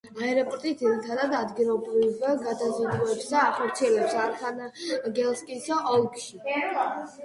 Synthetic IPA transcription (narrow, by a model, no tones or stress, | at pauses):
aɛɾɔpʼɔɾt̪ʼit̪d̪iɾit̪ʰad̪ad̪ad̪ɡilˠɔbɾivɡad̪azid̪uɛpsd̪aːχɔɾt̪sʰiɛlɛpsaɾχanɡɛlˠskʼisaɔlˠkʰʃi